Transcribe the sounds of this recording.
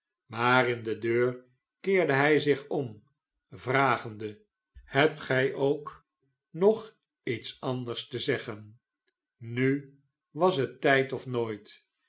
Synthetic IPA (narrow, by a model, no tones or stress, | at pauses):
maːɾɪndədøːɹ | kɪːɹdəɦɛjzɪχɔm | vraːχəndə | hɛp̚tχɛjʔowk | nɔχ | itsɑndəɹstəzɛχənː | y | ʋɑsɦətɛjtɔfnoːjt